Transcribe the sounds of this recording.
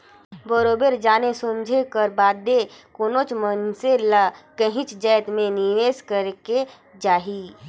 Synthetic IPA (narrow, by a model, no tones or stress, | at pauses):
bəɾoːbeɾd͡ʒaːnesomd͡ʒʱekəɾbaːd̪ekoːnot͡ʃmənseləkəɦĩt͡ʃd͡ʒɛːt̪mẽniʋeːskəɾeke | d͡ʒaːɦi